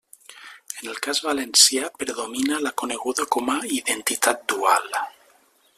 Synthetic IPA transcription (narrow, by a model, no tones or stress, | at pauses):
enelkazβalensjapɾeðominalakoneɣuðakomaiðent̪it̪at̪̚d̪ua̰l